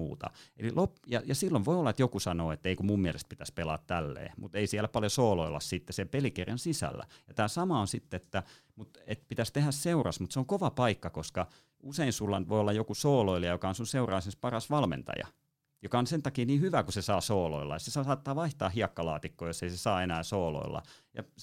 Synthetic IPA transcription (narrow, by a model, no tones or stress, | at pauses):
ṵːt̪ɑ̰ḛlilʔopjɑjɑsilːoʋʋoiolːɑet̪jokusɑnoːet̪ːæeikumummiælest̪̚pit̪æspelɑ̰ːt̪t̪ælːḛːmut̪eisiælæpɑljosoːloilːˑɑ̰ssit̪ːesempelikerjɑnsisæ̰lːæ̰jɑt̪æːsɑmɑonsit̪ːeet̪ːæ | mut̪et̪pit̪æst̪ehæsseurɑsmut̪seoŋkoʋɑpɑikːɑkoskɑ | useinsulːɑnʋoiolːɑjokusoːloiliɑjokɑonsunseurɑˑisespɑrɑsʋɑlmḛnt̪ɑ̰jɑ̰ | jokɑonsent̪ɑkiːniːhyʋækusesɑːsoːlo̰ilːɑ̰jɑsesɑsɑːt̪ːɑːʋɑiht̪ɑːhɦiɑkːɑlɑ̰ːt̪ikːoːjoseisesɑːenæːsoːlo̰ilːɑ̰jɑ̰